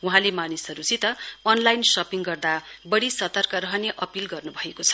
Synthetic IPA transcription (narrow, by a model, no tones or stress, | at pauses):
uɦãlemanisʌɾut͡sit̪ʌʌnlajnsʌpiŋɡʌrd̪abʌɽisʌt̪ʌrkʌɾʌɦʌneʔʌpilɡʌrnubʱʌekot͡sʰʌ̥